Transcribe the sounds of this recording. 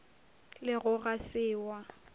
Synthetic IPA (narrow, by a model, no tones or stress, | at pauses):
lɪɣʊɣasɪːwa